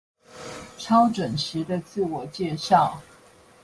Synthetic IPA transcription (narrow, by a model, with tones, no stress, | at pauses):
ʈ͡ʂʰɑ˥ʊʈ͡ʂwə˨˩nɕi˧˥d̪ə˧t͡sɹ̩˥˩wɔ˨˩t͡ɕjɛ˥˧ɕɑ˥˨ʊ